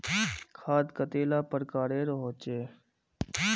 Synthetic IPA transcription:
kʰaːd̪kət̪eːlaːpəɾkaːɾeːɾoɦoːt͡ʃeː

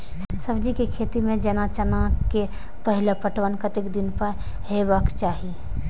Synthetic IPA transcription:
sɐbd͡ʒikekʰeːt̪imẽd͡ʒɐnat͡ʃənake | pəɦɪlepəʈʋənkət̪ɪkd̪ɪnpə | ɦebakt͡ʃaːɦi

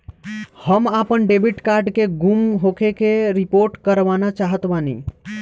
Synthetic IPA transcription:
həmapənɖebiʈkaɾɖkeɡumɦokekeɾipoɾʈkəɾʋanat͡ʃaɦət̪banḭ

